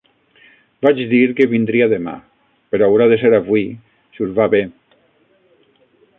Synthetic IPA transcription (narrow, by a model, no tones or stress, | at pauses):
bat͡ʃðiɾkeβind̪ɾiaðema̰ | peɾɔawɾaðeseɾaβwi | suzβaβe